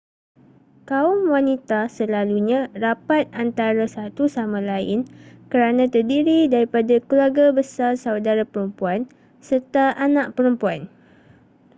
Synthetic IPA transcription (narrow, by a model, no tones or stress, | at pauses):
kaʊmwanit̪asəlaluɲãrapat̪̚ant̪aɾasat̪usamãlaɪ̰nkəɾanãt̪ərdiɾidaɾipadakəluaɡabəsarsawdaɾapəɾumpuan | sərt̪aanãʔpəɾəmpuan